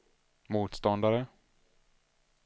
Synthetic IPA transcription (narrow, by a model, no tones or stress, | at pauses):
muːt̪st̪ɔnd̪aɾə